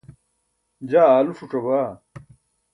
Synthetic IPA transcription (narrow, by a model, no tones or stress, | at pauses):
d͡ʑaːaːlufuʈ͡ʂɐbaː